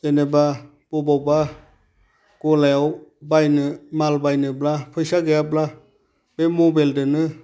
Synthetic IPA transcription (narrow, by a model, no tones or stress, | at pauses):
eneba | b̥ɔbawba | ɡ̥ɔlajawbajnɯmalbajnɯblapʰɯjsaɡejabla | b̥emobeldɯnɯ